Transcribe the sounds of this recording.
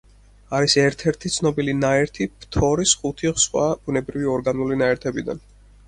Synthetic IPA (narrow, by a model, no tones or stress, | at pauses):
aɾisɛɾt̪ʰɛɾt̪ʰit̪sʰnɔbilinaɛɾt̪ʰipʰt̪ʰɔɾisχut̪ʰiʁsχwa̰b̥unɛbɾiviɔɾɡanulinaɛɾt̪ʰɛbid̪a̰n